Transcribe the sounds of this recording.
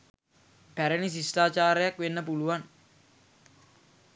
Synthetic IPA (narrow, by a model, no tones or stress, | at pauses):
pæɾənis̬isʈaːt͡ʃaːɾəjakʋenːəp̬uluan